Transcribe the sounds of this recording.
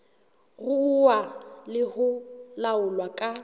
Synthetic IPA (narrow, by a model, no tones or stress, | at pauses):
ɣʊːwalɪhʊlaʊlwakʼa